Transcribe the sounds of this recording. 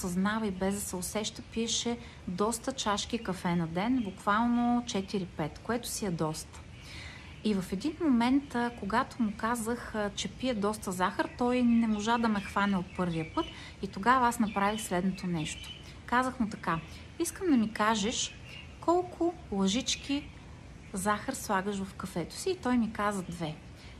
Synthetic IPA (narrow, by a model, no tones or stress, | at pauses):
sɐznavəibɛzd̪ɐsɛosɛʃt̪əpiɛʃɛ | d̪ɔst̪ət͡ʃaʃkikɐfɛnɐd̪ɛnbʊkvalˠnot͡ʃɛt̪iɾipɛt̪koɛt̪ʊ̥siɛd̪ɔst̪ə̥ | ivɐfɛd̪inmomɛnt̪koɡat̪omʊkazəxt͡ʃɛpiɛd̪ɔst̪əzaxəɾt̪ɔjnɛmoʒad̪ɐmɛxvanɛot̪̚pɤɾviəpɤt̪ | it̪oɡavɐasnɐpɾavixslɛd̪not̪onɛʃt̪o̥ | kazəxmʊt̪ɐka | iskəmd̪ɐmikaʒɛʃ | kɔlˠkʰʊ | lˠɐʒit͡ʃk̟ʲi | zaxəɾslˠaɡəʃ̬vɐfkɐfɛt̪o̥siːt̪ɔjmikazəd̪vɛ